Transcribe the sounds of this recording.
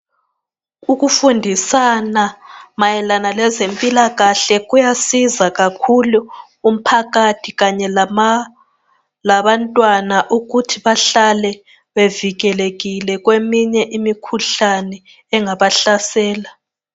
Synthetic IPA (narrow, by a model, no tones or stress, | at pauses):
uɣufundʱisanamajɛlanalɛzempʼilaɣaɬɛɣujasizaɣakʰulu | um̩pʰaɣatʰiɣaɲɛ | laβantʼwanaʔuɣutʰiβaɬalɛ | βeviɣɛleɣilɛɣwemiɲɛʔimikʰuɬanɛ | ɛŋaβaɬasɛːla